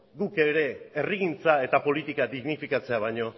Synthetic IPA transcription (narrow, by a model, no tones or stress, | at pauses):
ɡuke̞ɾe̞ːriɣ̞int͡sae̞t̪apo̞lit̪ikad̪iɣnifikat͡se̞aβ̞ajɲo̞